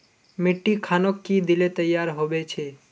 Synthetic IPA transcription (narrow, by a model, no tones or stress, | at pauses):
mɪʈːikʰanokːid̪ilet̪əjːaɾɦoʋet͡ʃʰe